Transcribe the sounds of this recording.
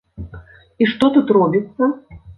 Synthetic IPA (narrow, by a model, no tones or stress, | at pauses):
iʂt̪ɔt̪ut̪rɔbʲit̪sːɐ